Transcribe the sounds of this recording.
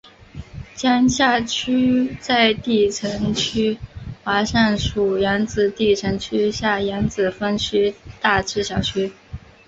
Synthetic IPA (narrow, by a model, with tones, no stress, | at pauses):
t͡ɕja˥ŋɕja˥˩t͡ɕʰy˥t͡sa˥˧ɪt̪i˥˩ʈ͡ʂʰɤ˧˥ŋt͡ɕʰy˥xwa˧˥ʂa˥˩nʂu˨˩ja˧˥nt͡sɹ̩˨˩t̪i˥˩ʈ͡ʂʰɤ˧˥ŋt͡ɕʰy˥ɕja˥˩jɛ˧˥nt͡sɹ̩˨˩fə˥nt͡ɕʰy˥t̪a˥˧ʈ͡ʂʰɻ̩˥˩ɕjɑ˨˩ʊt͡ɕʰy˥